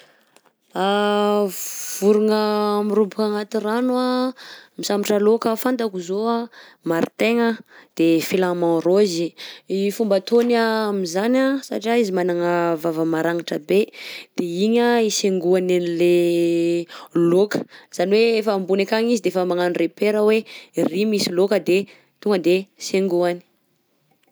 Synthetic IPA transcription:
a | v̥uɾuŋəmiɾubukaŋat̪iranwamisamiʈ͡ʂəlokəfant̪akuzoa | maɾit̪eŋad̪̥efilamãnɾoziifumbət̪ʰonamizanasa̰ʈ͡ʂiaizimanaŋəvavəmaɾaŋaʈ͡ʂəbed̪̥eiɲaiseŋɡuananle | lokə̥z̥aniweefəmbunekaŋizid̪eefəmaŋanrepeɾəwerimisilokəd̪e | t̪uŋɡəd̪eseŋɡuani̥

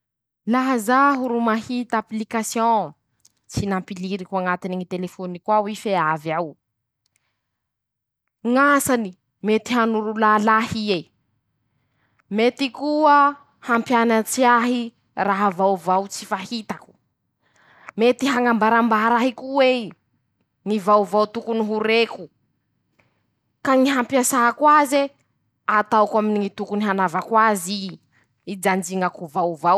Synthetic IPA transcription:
laɦəzaɦuɾumahit̪aplikasjõ | t͡sinampiliɾikuaŋat̪iniŋit̪elefonikwawifeavjaw | ŋasani | met̪iɦanuɾulalahie | met̪ikuə | hampjanat͡siaɦi | raɦavawvawt͡sifahit̪aku̥ | met̪iɦaŋambaɾambaɾaɦikuwe | ŋivawvawt̪ukuniɦuɾeku | kaŋiɦampjasaɦakwaze | at̪awkaminiŋit̪ukuniɦanavakwazi | id͡ʒand͡ʒiŋakuvawvaw

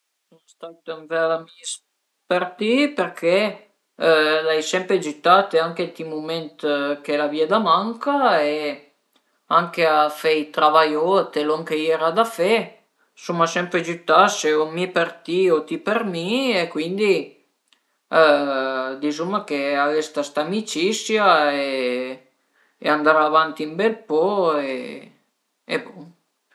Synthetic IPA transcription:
sonst̪at̪amvɛalamis | pert̪iperkʰe | lajsɛmpɾed͡ʒyt̪ːat̪eaŋket̪imument̪kelaviad̪amaŋkae | aŋkeafɛjt̪ɾavajoat̪eloŋkeɛɾad̪afe | sumːasɛmpɾed͡ʒyt̪ːaseomipert̪iot̪ipermiekwind̪i | d̪isumːakeavest̪ast̪amit͡ʃisjae | ḛand̪aɾavant̪iːmbɛlpɔe | ḛbo

